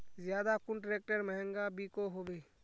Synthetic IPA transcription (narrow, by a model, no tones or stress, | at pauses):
zjaːd̪akʊɳʈɾeːk̚ʈəɾmɛɦə̃ŋɡabiːkoɦoːbeː